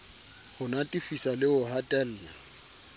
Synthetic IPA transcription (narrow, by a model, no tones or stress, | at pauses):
hʊnatʼifisalɪʊɦatʼɛl̩ːla